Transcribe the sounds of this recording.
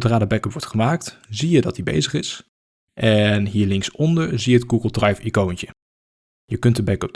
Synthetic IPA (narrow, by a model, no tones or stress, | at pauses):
draːdəbɛkəpʋɔɹtχəmaːk̚tzijədɑt̚dibḛjzəχɪs | ʔɛnɦiːɹlɪŋsɔndəɹzijəət̚ɡuɡəlˠdrajfikowntə | jəkɵntdəbɛkəp̚